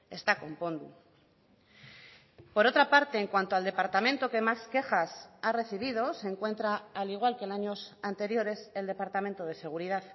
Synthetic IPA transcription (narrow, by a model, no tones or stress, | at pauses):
e̞st̪ako̞mpo̞nd̪ṵ | po̞ɾo̞t̪ɾapaɾt̪e̞ːŋkwant̪oald̪epaɾt̪amẽ̞nt̪o̞ke̞maske̞xasare̞θiβ̞ið̞o̞seŋkwe̞nt̪ɾaːliɣ̞walkenaɲo̞sant̪e̞ɾjo̞ɾe̞se̞ld̪e̞paɾt̪ament̪o̞ð̞e̞se̞ɣ̞uɾið̞að